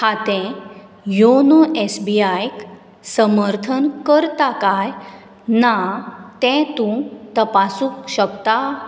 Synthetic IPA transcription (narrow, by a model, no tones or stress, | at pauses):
hat̪ɛ̃ | jonoʔesbiajk | səməɾt̪ʰənkəɾt̪akaj | nat̪ɛ̃t̪ũt̪əpasũkɕəkt̪a